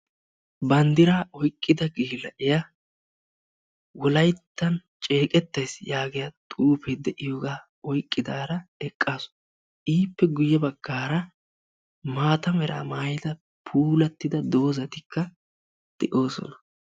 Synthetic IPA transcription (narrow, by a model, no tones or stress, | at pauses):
bɐnd̪ɪɾaːɔjkʼːɪd̪ɐɡiːlɐʔɪjɐ | wɔlɐjt̪ːɐnt͡ʃʼe̞ːkʼɛt̪ːɐjsjaːɡɪjɐt̪ʼuːpɛd̪ɛʔɪjoːɡaː | ɔjkʼːɪd̪aːɾɐɛkʼːaːsʊ̥ | ʔiːpːɛɡʊjːɛbɐɡ̥ːaːɾɐ | maːt̪ɐmɛɾa̰ːmaːjɪd̪ɐ | pʰuːlɐt̪ːɪd̪ɐd̪o̞ːzɐt̪ɪkʰːɐ | d̪̥ɛʔo̞ːsɔ̰nɐ